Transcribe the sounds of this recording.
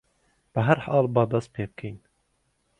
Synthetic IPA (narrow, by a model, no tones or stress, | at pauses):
b̥əɦæɾħɑːlˠbɑːd̪ɑst̪̚pʰeːb̚kʰejn